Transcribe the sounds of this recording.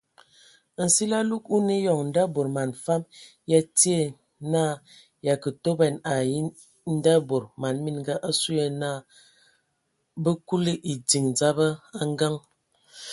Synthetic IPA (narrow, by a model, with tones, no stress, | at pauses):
n̩˨si˦la˦lu˦ku˦ne˦jɔ˨ŋn̩˦da˦bo˨ɾma˨nfa˦m | ja˦ti˦e˦˨ | naː˦˨ | ja˨kə˨to˦bɛ˨na˨ji˦ | n̩˦da˦bo˨ɾma˨nmi˦nɡa˦ʔa˦su˦jə˦na˦˨ | bə˦ku˦li˦ʔi˨di˨ŋ˨d͡za˦bə˦a˦ŋ˦ɡa˦ŋ